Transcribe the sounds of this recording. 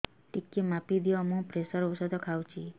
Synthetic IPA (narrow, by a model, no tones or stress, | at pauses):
ʈikːimapid̪iɔmũpɾesəɾosɔd̪ɔkʰawt͡ʃʰi